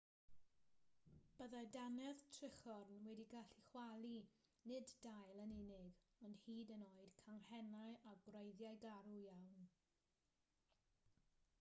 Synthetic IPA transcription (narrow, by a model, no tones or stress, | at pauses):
b̥əðajdanɛðtʰrɪχɔrnwɛdiɡaɬiχwalˠinɪddajlˠənɪnɪɡɔnd̥hiːdənoːɨd̥kʰanhɛnaɨaɡrejðjaɨɡaɾujawn